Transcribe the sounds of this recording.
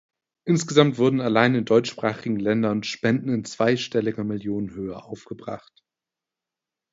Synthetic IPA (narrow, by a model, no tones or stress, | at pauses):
ʔɪnsɡ̥əzamtv̥ʊɐdn̩alaɪnɪndɔʏt͡ʃʃpʁ̥aːχɪɡŋ̩lɛndɐnʃpɛndn̩ɪnt͡sv̥aɪʃtɛlɪɡɐmɪljoːnənɦøːɐʔaʊfɡ̥əbʁa̰χt